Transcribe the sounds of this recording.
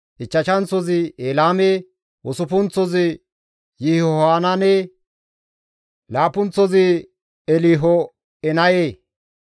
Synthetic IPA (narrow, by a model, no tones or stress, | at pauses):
ʔɪt͡ʃːɐʃɐnt͡sɔzɪeːlaːme | wɔsʊpʊnt͡sːɔzɪ | jɪhɔhaːnɐne | laːpʊnt͡sɔzɪ | ɛliːɦɔ | ɛnɐjeː